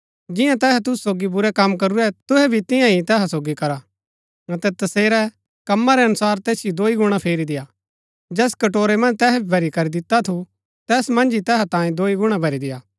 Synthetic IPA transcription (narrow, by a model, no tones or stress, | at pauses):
d͡ʒɪ̃jãt̪ɛːɦɛt̪̬ʊssoːɡibʊɾɛkɐmːkɐɾuɾɛt̪ʊɦɛbʱit̪ɪ̃jãɦit̪ɛːɦasoːɡikɐɾa | ɐt̪ɛt̪ɐseːɾɛ | kɐmːaɾɛɐnʊsaːɾt̪ɛːsijid̪oːiɡʊɽ̃apʰeːɾid̪ɪja | d͡ʒɛːskɐʈoːɾemɐ̃nd͡ʒt̪ɛːɦɛbʱibʱɐɾikɐɾid̪ɪt̪ːat̪ʰu | t̪ɛːsmɐ̃nd͡ʒit̪ɛːɦat̪ãːĩd̪oːiɡʊɽ̃abʱɐɾid̪ɪjaː